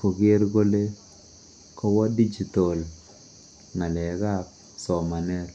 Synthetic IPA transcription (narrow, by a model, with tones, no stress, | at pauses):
ko˨ɡe˦ɾɡo˦le˦ | kɔ˦wɔ˦di˦d͡ʒi˨to˨l | na˨lɛ˨ɡa˦k̚ | sɔ˨ma˨nɛ˦l